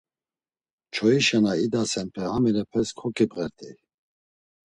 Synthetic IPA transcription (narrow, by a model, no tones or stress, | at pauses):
t͡ʃʰɔiʃanaid̪asɛnpʰɛhamɛɾɛpʰɛskʰɔkʰʼipʁɛɾt̪ʼʰi